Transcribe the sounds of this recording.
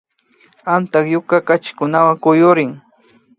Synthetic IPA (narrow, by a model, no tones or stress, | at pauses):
ant̪akjʊkakat͡ʃɪ̥kʊnawaŋkʊjʊɾɪŋ